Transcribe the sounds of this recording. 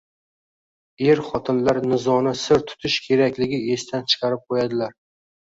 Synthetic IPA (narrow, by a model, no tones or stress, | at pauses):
eɾχɒt̪ʰɪnlaɾnɪzɒnɪsɪɾt̪ʰʊ̥t̪ʰɪʃkʲʰe̞ɾakʲlɪɡʲɪe̞st̪ʰant͡ʃʰɨ̥qʰɑɾɪp̚qʰojad̪ɪlaɾ